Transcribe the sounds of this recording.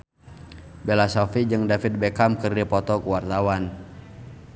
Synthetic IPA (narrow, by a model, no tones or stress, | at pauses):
bɛlasɔfid͡ʒɨŋdafit̪̚bɛkamkɨrdipɔt̪ɔkuwart̪awan